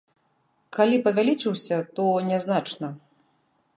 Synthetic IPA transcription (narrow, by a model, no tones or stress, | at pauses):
kalʲipɐvʲalʲit͡ʂɨwsʲɐt̪ɔnʲɛznat͡ʂnɐ